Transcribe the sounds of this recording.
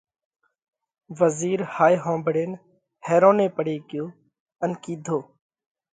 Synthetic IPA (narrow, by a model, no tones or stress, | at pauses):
ʋəziːɾhaːiːɦõːmbɽeːn | heːɾõːnẽːpəɽeːkɪjoː | ənkiːd̪ʱoː